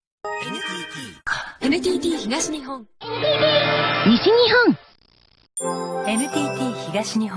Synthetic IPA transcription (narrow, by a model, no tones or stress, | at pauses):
ei | enɯ̟t̪ʲiːt̪ʲiːçiɡaɕiɲiɦõŋ | ɲiɕiɲ̟iɦõŋ | e̞nɯ̟t̪ʲiːt̪ʲiːçiɡaɕiɲih